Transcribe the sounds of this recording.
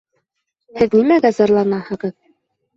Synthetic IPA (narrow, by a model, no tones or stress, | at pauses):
hɘðnimæɡæzɑɾlˠɑnɑhɤ̆ʁɤð